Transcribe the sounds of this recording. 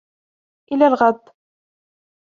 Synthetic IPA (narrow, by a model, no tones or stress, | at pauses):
ʔɪlalɣad̪ˤː